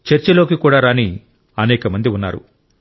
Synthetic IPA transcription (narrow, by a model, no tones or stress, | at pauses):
t͡ʃɐɾt͡ʃɐloːkikuːɽaːɾaːni | ɐnɛːkɐmɐnd̪iunːa̰ːɾṵ